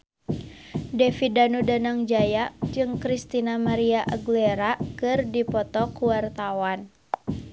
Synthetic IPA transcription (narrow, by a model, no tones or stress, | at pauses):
dɛfidanudanaŋd͡ʒajaʔd͡ʒɨŋkɾist̪inamaɾiaʔaɡlɛɾakɨrdipɔt̪ɔkuwart̪awan